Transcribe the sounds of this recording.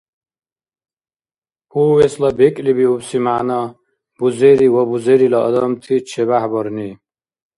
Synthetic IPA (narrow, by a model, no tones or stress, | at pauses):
huwɛslabɛkʼlibiubsimana | b̥uzɛɾiwabuzɛɾilaɔ̰d̪ɔmt̪ʰit͡ʃʰɛβahbɔɾni